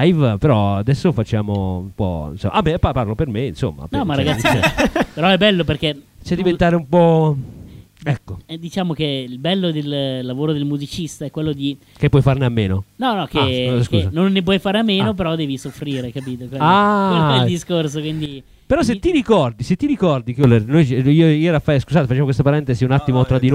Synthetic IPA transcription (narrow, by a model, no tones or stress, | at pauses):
ajvpeɾɔad̪ɛsːofat͡ʃːa̰ːmo̰ṵmpɔ̰ḭnso̰mʔamːepaparlopermeinso̰mːa̰pnɔmaaɡat̪sːiḛpeɾɔɛbːɛlːoperket͡ʃɛd̪ːivent̪aːɾeumpɔ | ɛkːoɛd̪it͡ʃaːmok̟eilbɛlːod̪elːavoːɾod̪elmuzit͡ʃist̪aɛkːwelːod̪i | kepːwɔjfarneamːeːnonɔnɔkeskṵːsanonːep̬wɔjfaːɾeamːeːnop̬eɾɔd̪ːɛːvisofɾiːɾekapiːt̪okweaeeld̪iskorsokwind̪i | peɾɔs̬et̪ːiɾikɔrd̪iset̪ːiɾikɔrd̪ikolːernojioioɾafːaskuzaːt̪efat͡ʃːaːmkwest̪apaɾɛnt̪eziunat̪ːimot̪ɾad̪ːino